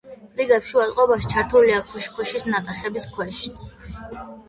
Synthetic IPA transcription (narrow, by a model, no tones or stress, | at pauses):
pʼɾiɡɛpʃualʼqʼɔbaʃt͡ʃʰaɾt̪ʰuliakʰuʃkʰuʃisnat̪ʼaχɛbiskʰwɛʃi̥t̪sʰ